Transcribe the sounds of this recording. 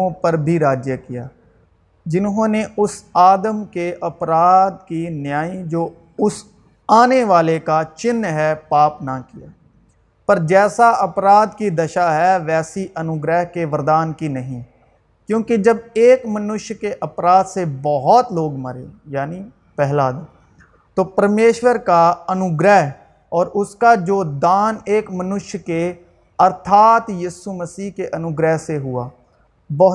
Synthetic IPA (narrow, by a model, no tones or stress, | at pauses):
õpəɾbʱiːɾaːd͡ʒjəkɪja̰ː | d͡ʒɪnɦõːneʔʊsaːd̪əmkeʔɐpɾaːd̪kinɪjaːid͡ʒoː | ʊs | aːneʋaːlekat͡ʃɪnːɦɛːpaːpnakija̰ː | pəɾd͡ʒɛːsaʔɐpɾaːd̪kid̪əʃaːɦɛːʋɛːsiʔənʊɡɾɛːɦkeʋəɾd̪aːnkinəɦĩː | kjõːked͡ʒəbeːkmənʊʃjkeʔɐpɾaːd̪sebɔɦɔt̪loːɡmə̰ɾḛːjaːni | pɛɦlaːd̪e | t̪oːpəɾmeːʃwəɾkaɐnʊɡɾɛːɦ | ɔːɾʊskad͡ʒoːd̪aːneːkmənʊʃjke | ɐɾt̪ʰaːt̪jiːsuməsiːɦkeʔənʊɡɾɛːɦseɦʊa̰ː | bɔɦ